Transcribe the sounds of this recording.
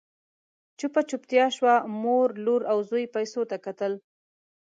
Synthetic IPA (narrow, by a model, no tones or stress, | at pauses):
t͡ʃʊpat͡ʃʊpt̪jɑʃwamoɾloɾawzojpajsot̪akat̪əl